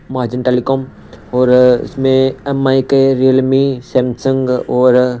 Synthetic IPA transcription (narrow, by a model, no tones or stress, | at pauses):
maːɾd͡ʒənʈeːlikoːm | ɔːɾɪ̰smẽɛmaːikeɾijəlmiseːmsə̃ŋɡɔːɾ